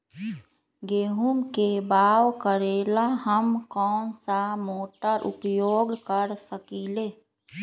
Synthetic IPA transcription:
ɡeːɦumkebaːwkəɾeːlaɦəmkɔːnsamoːʈəɾʔʊ̰pjoːɡkəɾsəkiːleː

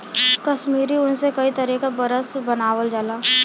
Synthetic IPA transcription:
kɐʃmiːɾiʊnsekɐit̪ɐɾiːkabɐɾəsbɐnaːʋəld͡ʒalaː

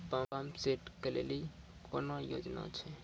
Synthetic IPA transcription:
pãːpaːmseːʈkəlḛːli | koːnojo̰ːd͡ʒna̰t͡ʃʰe

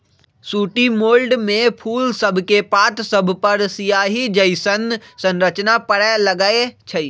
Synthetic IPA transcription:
suːʈimoːlɖmẽpʰuːlsəbʱkepaːt̪səbʱpɐɾsijaːɦid͡ʒəɪsənsə̃nɾət͡ʃnapəɽɛləɡaet͡ʃʰəi

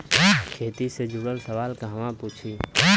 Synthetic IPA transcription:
kʰeːt̪ised͡ʒuɽəlsəʋaːlkaɦʋãpuːt͡ʃʰi

